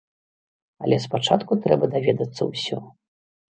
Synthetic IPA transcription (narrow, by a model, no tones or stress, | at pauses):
ɐ̰lʲɛspat͡ʂat̪kut̪ɾɛbɐd̪avʲɛd̪ɐt̪sːɐ̰wsʲɔ